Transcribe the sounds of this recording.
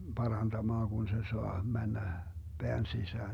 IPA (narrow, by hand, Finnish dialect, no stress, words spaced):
pɑrɑnd̥ɑmɑːŋ ɡ̊un se soɑ mænːæ b̥eæn sisæːn